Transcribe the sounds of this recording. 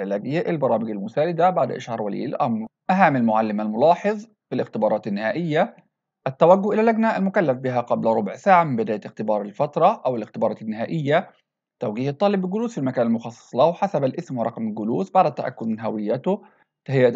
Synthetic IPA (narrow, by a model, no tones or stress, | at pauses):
ʕɪlæːɡɪjːaʔɪlbɑɾˤɑːmɪɡalmʊsaːɾɪd̪abaʕd̪ʔa̰ʃhɑɾˤwælḭːlʔɑmɾˤʔæɦaːmalmʊʕalːɪmalmʊlɑːħeðˤ | filɪxt̪ɪbɑːɾˤɑːt̪ɪnːɪhaːʔɪjːa | ʔæt̪ːawæɡːʊhʔɪlælːæɡnaʔalmʊkalːafbɪɦæqɑblɾˤobʕsaːʕamɪmbɪd̪aːjæt̪ɪxt̪ɪbɑːɾˤɪlfɑt̪ɾˤɑʔæwɪlɪxt̪ɪbɑːɾˤɑːt̪ɪnːɪɦaːʔɪjːa | t̪ːæwɡiːhɑt̪ˤːɑːlɪbːɪlɡʊluːsfilmakæːnalmʊxɑsˤːɑ̥sˤlæhwħasæbalʔɪsmwɑɾˤɑqmɪlɡʊluːsbaʕd̪ɪt̪ːæʔæ̰kːʊd̪nɦæwɪjːæt̪ʊ | t̪ahɪjːæː